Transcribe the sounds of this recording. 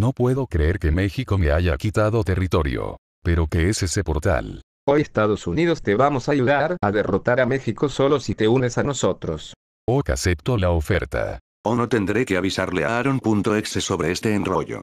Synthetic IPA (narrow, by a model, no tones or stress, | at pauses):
no̞pwe̞ðo̞kɾe̞eɾkeme̞xiko̞meaʝakit̪aðo̞t̪e̞rit̪o̞ɾjo̞̰ | pe̞ɾo̞keesesepo̞ɾt̪a̰l | ojest̪aðosuniðost̪eβamosajuðaɾaðerot̪aɾamexikoso̞losit̪e̞unesanoso̞t̪ɾos | oka̰sep̚t̪olaofe̞ɾt̪a̰ | onot̪e̞nd̪ɾekeaβisaɾleaɾunpunt̪oeksesoβɾeest̪eːnroʝo̰